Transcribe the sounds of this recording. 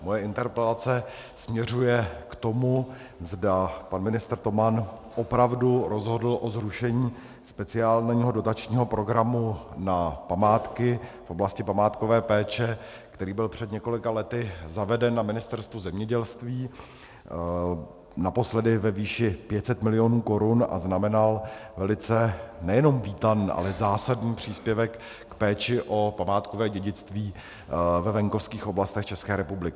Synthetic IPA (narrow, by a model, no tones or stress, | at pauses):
mojɛɪnt̪ɛɾpɛlat͡sɛ | smɲɛr̝ujɛkt̪o̞mu | zdapanmɪnɪst̪r̩t̪o̞man | ʔo̞pɾavduɾo̞zɦo̞dl̩ʔo̞zɾuʃɛɲiː | spɛt͡sɪaːlniːɦo̞do̞t̪at͡ʃɲiːɦo̞pɾo̞ɡɾamunapamaːt̪kɪfʔo̞blascɪpamaːt̪ko̞vɛːpɛːt͡ʃɛ | kt̪ɛɾiːbɪlpr̝̥ɛd̪ɲɛko̞lɪkalɛt̪ɪzavɛdɛnːamɪnɪst̪ɛɾst̪vuzɛmɲɛɟɛlst̪viː | naposlɛdɪvɛviːʃɪpjɛt̪sɛt̪mɪlɪjo̞nuːko̞ɾʊnʔa̰znamɛnalvɛlɪt͡sɛnɛjɛno̞mviːt̪aniːʔa̰lɛzaːsadniːpr̝̥iːspjɛvɛkː | pɛːt͡ʃɪʔo̞pamaːt̪kovɛːɟɛɟɪt͡st̪viː | vɛvɛŋko̞fskiːxʔoblast̪ɛxt͡ʃɛskɛːɾɛpublɪkɪ